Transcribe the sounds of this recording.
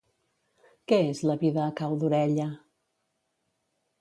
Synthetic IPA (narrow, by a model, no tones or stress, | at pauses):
kɛezləβiðəːkawðuɾɛʎə